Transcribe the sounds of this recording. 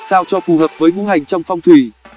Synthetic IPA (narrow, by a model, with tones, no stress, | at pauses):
saː˧wt͡ɕɔ˧fu˨˩ɦəː˨˩p̚vəː˨˦jvu˧˦ha˨˩jŋ̟t͡ɕɔ˧wŋ͡mfɔ˧wŋ͡mt̪ʰwi˧˩